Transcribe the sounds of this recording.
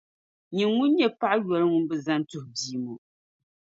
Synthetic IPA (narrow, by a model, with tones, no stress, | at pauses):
ɲi˨ŋŋu˦nɲɛ˦pa˦ʔjɔ˨lɨ˦ŋu˦n˦bɨ˨za˦n˦tʊ˨hbiː˨˦˨mo˨